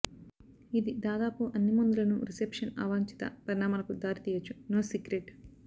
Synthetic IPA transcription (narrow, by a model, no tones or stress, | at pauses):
id̪id̪aːd̪aːpuʔɐnːimund̪ulɐnṵɾisepʂɐna̰ːʋaːɲt͡ʃi̥t̪ɐ̰pɐɾinaːmɐlɐkud̪aːɾit̪iːjɐt͡ʃːunoːsiɡɾeʈ